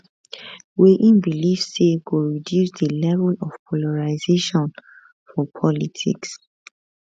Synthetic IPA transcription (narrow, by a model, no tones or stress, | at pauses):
weʔĩnbilifsːeɡuɹidjusdəlɛvɛlɔfpʰɔlaɹazeʃɔ̃n | fɔpʰɔlitʰḭks